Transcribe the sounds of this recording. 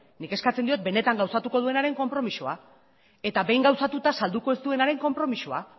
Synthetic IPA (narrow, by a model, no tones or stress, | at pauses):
nike̞skat͡send̪iot̪̚be̞ne̞t̪aŋɡawsat̪uko̞ð̞ue̞naɾe̞ŋko̞mpɾo̞misoa | e̞t̪aβe̞jŋɡawsat̪ut̪asald̪uko̞ezt̪ue̞naɾe̞ŋko̞mpɾo̞misua